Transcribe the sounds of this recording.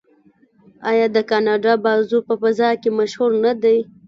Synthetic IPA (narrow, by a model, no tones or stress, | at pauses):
ɑjɑd̪əkɑnɑɖɑbɑzupəfazɑkemaʃhuɾnad̪aj